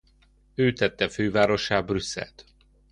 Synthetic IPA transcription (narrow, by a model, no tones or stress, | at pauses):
øːt̪ɛt̪ːɛføːvaːɾo̞ʃaːbrysːɛ̰lt̪